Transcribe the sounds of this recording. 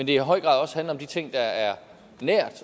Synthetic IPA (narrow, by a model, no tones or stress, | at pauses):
mend̥e̝ɦɒ̽ɪ̰ɡ̥ʁɑ̰ðˠɒ̽sə̥hænl̩ˠɒ̽md̥it͡sʰe̝ŋ̰d̥ɑ̈æɐ | næɐ̰d̥